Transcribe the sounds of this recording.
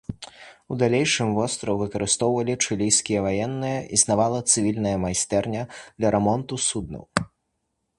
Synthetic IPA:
ud̪alʲejʂɨmvɔst̪ɾɐwvɨkɐɾɨst̪ɔwvɐlʲit͡ʂɨlʲijskʲijɐvajɛnːɨjɐʔiznavalˠɐt̪sɨvʲilʲnɐjɐmajst̪ɛrnʲɐd̪lʲɐɾɛmɔnt̪usud̪̚nɨ̰w

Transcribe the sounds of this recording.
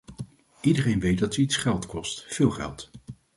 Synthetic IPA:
ʔidərejnʋejt̚dɑtitsχɛlˠtkɔstfɪːlˠχɛ̰lˠt

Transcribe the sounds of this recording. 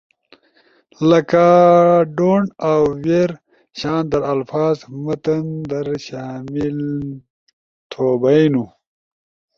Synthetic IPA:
lɐkaɖoːɳawːeɾ | ɕaːnd̪ɐɾɐlfaːzmət̪ənd̪ɐɾɕaːmil | t̪ʰoːbajnu

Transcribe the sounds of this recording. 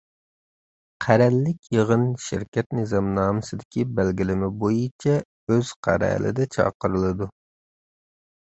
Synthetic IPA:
qʰæɾɛlːɪkʲjeʁənʃɪ̰ɾkʲɛt̪nɨzɑmnɑːmɨsɪd̪ɪkʲʰibɛlɡʲilɪmɪbojit͡ʃʰɛ | øz̥qʰæ̰ɾɛ̰ːlʔɪ̰d̪ɛt͡ʃʰɑ̰ːqəɾɨlˠɨd̪u

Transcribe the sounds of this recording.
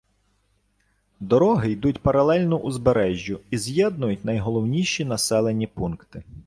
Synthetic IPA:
d̪ɔɾɔɦɪjd̪utʲpɐɾɐlˠɛlʲnɔʔuzbeɾɛʒʲːʊizjɛd̪nʊjʊtʲnɐjɦɔlˠɔwnʲiʃinɐsɛlˠenʲipunkt̪ɪ

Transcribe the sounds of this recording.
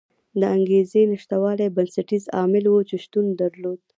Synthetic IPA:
d̪əaŋɡezenɪʃt̪awɑlebansaʈizɑmɪlwot͡ʃeʃt̪und̪aɾlod̪̚

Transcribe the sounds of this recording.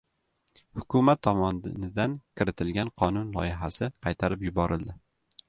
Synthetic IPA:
hʊkʰʊmat̪ʰːɒmɒnnɪd̪ankʲʰɪɾɪt̪ʰɪlɡʲanqʰɒnʊnlˠɒ̰jɪɦasɪqʰɑjt̪ʰaɾɪpjʊbɒɾɪlˠd̪ɪ

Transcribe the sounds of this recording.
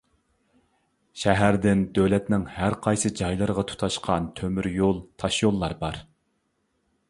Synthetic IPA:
ʃɛɦæɾd̪ɪnd̪ølɛt̪nɪŋhæɾqʰɑjsɨd͡ʒɑjlˠɨɾʁɑt̪ʰu̥t̪ʰɑʃqʰɑnt̪ʰømyɾjolˠt̪ʰɑʃjolˠːɑɾbɑɾ

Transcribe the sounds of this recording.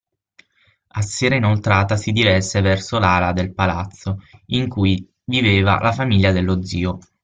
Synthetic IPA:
asːeːɾainolt̪ɾaːt̪asid̪ivɛsːevɛrsolalad̪elpalat̪sːoiŋkuj | viveːva̰lʔafamiʎːad̪elːod̪ziːo

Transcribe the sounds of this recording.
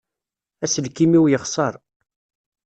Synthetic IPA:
æsəlkimiwjəχsˤəɾˤ

